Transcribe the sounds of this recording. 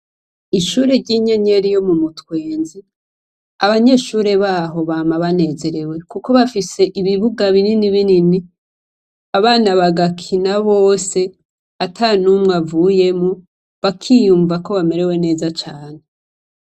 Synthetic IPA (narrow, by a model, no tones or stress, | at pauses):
iʃuːɾe̞ɾɟiɲe̞ɲe̞ɾijo̞mumutkwe̞ːnzi | aβaɲe̞ʃuːɾe̞βaːɦo̞βaːmaβane̞ːze̞ɾe̞we̞kuko̞βafise̞ʔiβiβuɡaβininiβinini | aβaːnaβaɡakʰinaβoːse̞ | atʰanumŋavuːje̞mo | βakʰijuːɱvako̞βame̞ɾe̞we̞ne̞ːzat͡ʃaːne